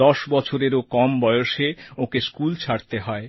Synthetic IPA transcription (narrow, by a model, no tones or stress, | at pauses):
ɔʃbɔt͡ɕʰoɾeɾokɔmbɔjoʃeokeskult͡ɕʰaɽt̪eɦɔe